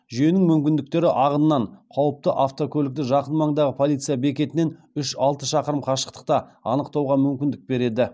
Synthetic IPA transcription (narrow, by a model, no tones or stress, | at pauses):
ʒʏje̞nɪŋmʏmkʲɪnd̪ɪk̚t̪e̞ɾɪʔɑʁənənɑɴqʰɑwəp̚t̪əʔaft̪okʲʰɵlɪk̚t̪ɪʒɑqənmɑɴd̪ɑʁəpʰo̞lˠit̪sɨjabe̞kʲe̞t̪ɪne̞n | ʏʃɑlˠt̪əʃɑqəɾəmqʰɑʃə̥qt̪ə̥q̚t̪ɑɑnəqt̪ɑwʁɑmʏmkʲɪnd̪ɪk̚be̞ɾe̞d̪ɪ